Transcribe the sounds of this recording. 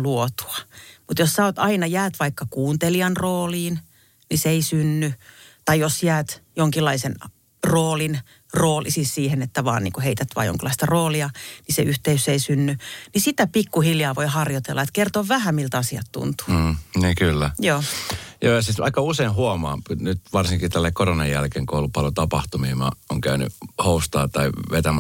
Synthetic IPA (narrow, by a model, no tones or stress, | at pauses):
luot̪u̥ɑmut̪jossɑot̪ɑinɑjæːt̪ʋɑikːɑkuːnt̪eliɑnroːliːn | niseeisynːyt̪ɑijosjæːt̪joŋkilːɑisen | roːlin | roːlisissiːhenet̪ːæʋɑ̰ːnnḭːŋkuheit̪æt̪ʋɑ̰ːjo̰ŋkilːˑɑist̪ɑroːliɑnisḛyht̪eyseisynːynisit̪æpikːuhiljɑːʋoihɑrjot̪ḛlːɑet̪kert̪oːʋʋæhæmilt̪ɑsiɑt̪t̪ṵnt̪u̥ːniːkylːæjoːjoːjɑsit̪ʋʔɑ̰ikːɑuseinhuɑmɑ̰ːnyt̪ʋɑrsiŋkit̪ælːeikoronɑjjælkeŋkoulupɑlot̪ɑpɑht̪umiːmɑ̰oŋkæyny̰houst̪ɑːt̪ɑiʋet̪æmæ